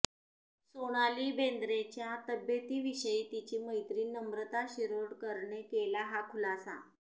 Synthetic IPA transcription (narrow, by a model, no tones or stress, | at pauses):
soɽ̃aliːbend̪ɾet͡ɕjat̪əbjət̪iːʋiɕəiːt̪it͡ɕiːməjt̪ɾiːnəmɾət̪aɕiɾoɽkəɾɳekelaɦakʰulasa̰